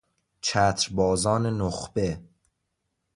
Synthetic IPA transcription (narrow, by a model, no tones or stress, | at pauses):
t͡ʃʰæt̪ʰɾbɒːzɒːnenoxb̥e